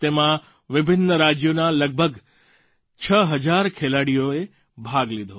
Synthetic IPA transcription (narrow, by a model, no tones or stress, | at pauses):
t̪eːmã | ʋɪbʱɪnːəɾaːd͡ʑjonãlɐɡ̚bʱəɡ | t͡ɕʰəɦɐd͡ʑaːɾkʰeːlaːɽijoe | bʱaːɡliːd̪ʱoː